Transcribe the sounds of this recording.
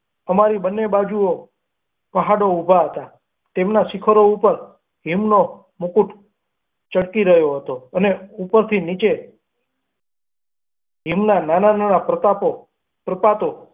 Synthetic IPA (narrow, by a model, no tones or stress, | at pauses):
əmaɾibənːebad͡ʒuo | pəɦaɽoubʱaɦət̪a | t̪emnasɪkʰəɾoupəɾ | ɦimno | mukuʈ | t͡ʃəɽkiɾəɦjoɦət̪oəneupəɾt̪ʰinit͡ʃe | ɦimnananananapɾət̪apo | pɾəpat̪o